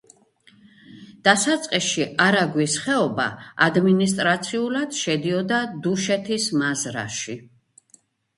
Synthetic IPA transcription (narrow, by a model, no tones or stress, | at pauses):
d̪̥asat̪sʼqʼiʃiʔaɾaɡwisχɛɔba̰ːd̪minis̬t̪ʼɾat̪sʰiulad̪̥ʃɛd̪iɔd̪ad̪uʃɛt̪ʰismazɾa̰ʃi